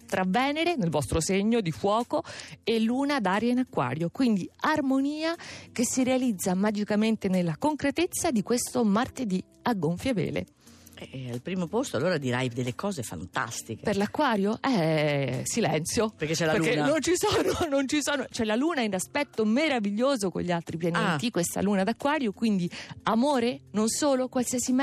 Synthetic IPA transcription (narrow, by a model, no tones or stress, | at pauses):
t̪ɾʔavːɛːneɾenelvɔst̪ɾoseɲːod̪ifwɔːkoelːuːnad̪aːɾjainakːwa̰ːɾjokwind̪iarmoniːakesːiɾealid̪zːamad͡ʒikament̪enelːakoŋkɾet̪et̪sːad̪ikwest̪omart̪ed̪i | aɡːoɱfjavḛːlḛ | ɛalpɾiːmopost̪oalːoːɾad̪iɾajd̪elːekɔːzefa̰nt̪a̰st̪ikeperlakːwaːɾjoʔɛ | silɛnt̪sjoperket͡ʃːɛlaeɾlukːennːont͡ʃisoːnonont͡ʃisoːnot͡ʃɛlaluːnainaspɛt̪ːomeɾaviʎːoːzoko̰ʎːialt̪ɾipjaneːt̪ikwest̪a̰luːnad̪akːwaːɾjokwind̪iamoːɾenonsoːlokwalsiasi